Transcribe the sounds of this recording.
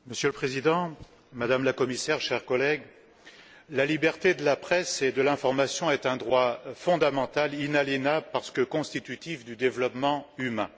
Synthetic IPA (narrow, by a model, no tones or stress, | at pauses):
məsjøləpχezid̪ɑ̃ | mad̪amlakɔmisɛʁʃɛʁkɔlɛɡ | lalibɛʁt̪ed̪əlapχɛsed̪əlɛ̃fɔʁmasjɔ̃ɛt̪ɛ̃d̪ʁwafɔ̃d̪amɑ̃t̪alinaljenabəpaʁsə̥kəkɔ̃st̪it̪yt̪ifd̪yd̪evlɔpmɑ̃ymɛ̃